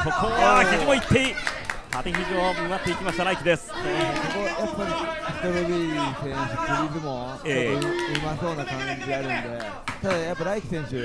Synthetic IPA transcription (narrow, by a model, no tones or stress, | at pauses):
kʰokʰoakʲid͡ʑimoit̪ːei | hat̪eçʲiʑioɯmat̪ːe̞ikʲimaɕit̪aɾaikʲid̪e̞sɨ̥sosokojapːaɾʲisi̥t̪ebɯɾiisẽ̞ɰ̃ɕɨkiɾʲizɨmo̞ | t͡ɕeooɯ̟maso̞ːnakãɲd͡ʑiɡaaɾɯ̟̃nd̪e̞ | t̪ad̪ajapːaɾaikʲi̥sẽ̞ɰ̃ɕɨ